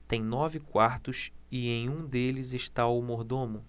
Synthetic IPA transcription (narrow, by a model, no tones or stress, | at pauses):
t̪ẽj̃nɔvɪkwaɾt̪ʊsiẽj̃ũd̪elɪzeʃt̪auwmoɾd̪õmʊ